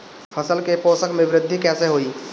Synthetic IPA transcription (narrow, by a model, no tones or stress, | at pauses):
pʰəsəlkeposəkmẽʋɾɪd̪ʱːikɛːseɦoi